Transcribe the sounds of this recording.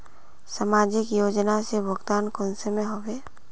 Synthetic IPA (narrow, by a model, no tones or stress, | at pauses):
samaːd͡ʒɪkjoːd͡ʒnasebəɡt̪aːnkõːnsemẽɦoːʋeː